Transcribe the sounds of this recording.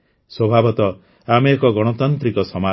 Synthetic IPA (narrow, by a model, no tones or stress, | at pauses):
swɔbʱabɔt̪ɔ | ameekɔɡɔɽ̃ɔt̪ɔnt̪ɾikɔsɔma